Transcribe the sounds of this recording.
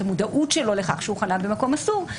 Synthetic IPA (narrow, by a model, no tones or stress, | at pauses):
amudaʔutʃe̞lo̞leχaχʃehuχanabemako̞masuʁ